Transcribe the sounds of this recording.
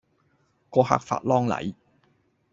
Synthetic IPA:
kɔː˧ha̰ː˧k̚fa̰ː˧t̚lɔː˥ŋlɐ̰˨˥j

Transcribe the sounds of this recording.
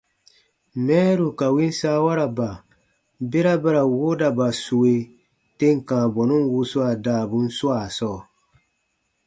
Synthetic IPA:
mɛː˦ɾu˨ka˨wĩ˦n̩˦sa˦wa˦ɾa˨ba˨ | be˦ɾa˦ba˦ɾa˨wo˦da˨ba˨su˨we˨ | te˦ŋ˨kãː˨bɔ˨nũ˦n˦wu˦su˦a˨daː˨bu˦n̩˦su˦a˨sɔː˦˨

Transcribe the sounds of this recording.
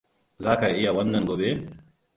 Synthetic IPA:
zaː˦ka˨ʔɪ˦ja˨wɐ˦nːɐ˨ŋɡʷoː˨be˦

